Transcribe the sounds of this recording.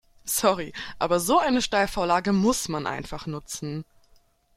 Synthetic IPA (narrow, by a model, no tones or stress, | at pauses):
sɔʁiʔaːbɐzoːʔaɪnəʃtaɪlfoːɐlaːɡəmʊsmanʔa̰ɪnfaχnʊt͡sn̩